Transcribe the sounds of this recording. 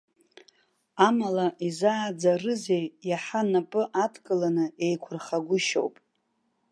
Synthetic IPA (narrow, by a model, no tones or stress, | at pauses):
amalaʔizaːd͡zarɨzejjaħanapʼɨʔatʰkʼɨlanɨe̞jkʷʰʊrχaɡʷʊʃo̰wpʼ